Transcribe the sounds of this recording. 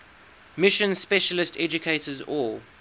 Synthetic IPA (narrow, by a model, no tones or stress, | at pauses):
mɪʃə̃nspɛʃəlɪstʰɛd͡ʒʊkʰeɪtəzɔl